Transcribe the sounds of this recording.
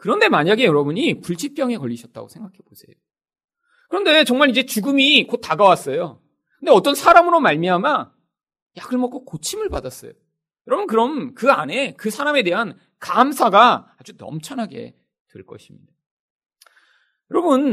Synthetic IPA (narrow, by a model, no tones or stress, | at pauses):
kɯɾʌnde̞maɲaɡe̞jʌɾʌbuɲipuɭt͡ɕʰip͈jʌŋe̞kʌʎːiɕʰʌt̚t͈a̰ɡosʰe̞ŋɡakʰe̞bosʰe̞jo | kɯɾʌnde̞t͡ɕʌŋmaɭid͡ʑe̞t͡ɕuɡɯmikot̚t͈aɡawas͈ʌjo | kɯndeʌt͈ʌnsʰaɾamɯɾomaɭmiɦama | jaɡɯɭmʌk͈okot͡ɕʰimɯɭpadas͈ʌjo | jʌɾʌbɯnkɯɾʌmkɯane̞kɯsʰaɾame̞de̞ɦan | kamsʰaɡaad͡ʑunʌ̰mt͡ɕʰʌnɦaɡe̞̰ | twḛɭk͈ʌ̰ɕʰimɲid̥a | jʌɾʌbun